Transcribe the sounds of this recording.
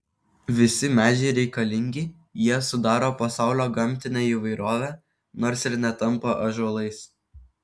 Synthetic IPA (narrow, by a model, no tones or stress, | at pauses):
ʋʲɪsʲɪmʲæːd͡ʒʲɛɪɾʲɛɪkɐlʲɪŋʲɡʲɪɪ | jiɛsʊd̪ɑːɾoːpɐsɑˑʊlʲoːɡɐmʲt̪ʲɪnʲeiːʋɐɪɾoːʋʲæː | noːɾsɪɾnʲɛt̪ɐmpoʔɐʒuɔlˠɐɪs